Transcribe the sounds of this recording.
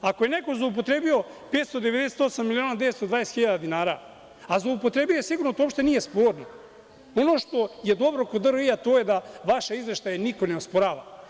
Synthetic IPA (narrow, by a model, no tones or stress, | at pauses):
ako̞jeneko̞zlˠoup̬o̞t̪ɾebio̞peːt̪st̪od̪eʋed̪eset̪o̞samːilio̞ːnad̪e̞ʋest̪od̪ʋajeset̪xiʎaːd̪ad̪inaːɾa | azlˠoupo̞t̪ɾebijojesiɡuɾnot̪oopʃt̪eniːje̞spoːɾno | onoːʃt̪o̞jed̪o̞bɾokod̪ɾoiat̪oːjed̪aʋaʃaizʋeʃt̪ajaniko̞neospoɾaːʋa̰